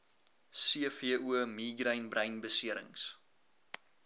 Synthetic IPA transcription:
siəfiəʔuəmiːɡrəjnbrʔəjnbəsiəɾə̰ŋs

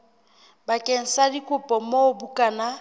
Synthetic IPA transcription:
bakʼeŋ̩sadikʼʊpʼɔmobukʼana

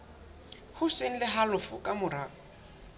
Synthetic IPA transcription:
hʊsen̩lɪɦalʊfʊkʼamʊɾaː

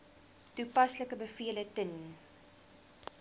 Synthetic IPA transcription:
tupɐsləkəbəfiələtən

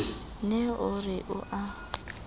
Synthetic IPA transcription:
nɛʊrɪʔʊ̰ʔa

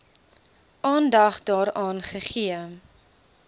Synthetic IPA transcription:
ʔɑːndɐχdɑːɾɑːnχəχiə

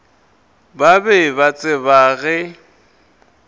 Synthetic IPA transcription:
babɛbat͡sʼɪbaːɣɛ

